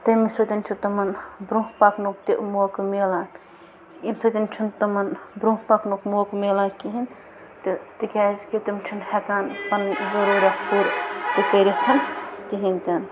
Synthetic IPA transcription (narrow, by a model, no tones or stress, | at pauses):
t̪ɐmisɐt̪inʲt͡ʃʰut̪ɐmɐnbɾuɦpaːknukt̪imoːkmeːlaːn | imsɐt̪ʲint͡ʃʰunt̪ɐmɐnbɾũhpaːknokmoːkmelaːnkiɦin | t̪ɨt̪ikʲaːzket̪imt͡ʃʰunhekaːnpɐnzɐɾuːɾʲɐht̪uɾt̪ikɐɾʲɐht̪ʰɐnkiɦink̪ɐn